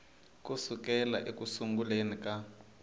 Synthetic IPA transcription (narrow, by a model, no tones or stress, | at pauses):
k̬ʼusuk̬ɛlaʔekusuŋɡulenika